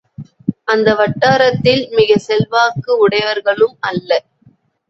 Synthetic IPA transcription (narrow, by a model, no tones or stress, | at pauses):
ʔɐnd̪ɐʋɐʈːaːɾɐt̪ːɪlmɪɣɐsɛlʋaːkːɯʊɽɐɪʋɐɾɣɐɭɯmɐlːɐ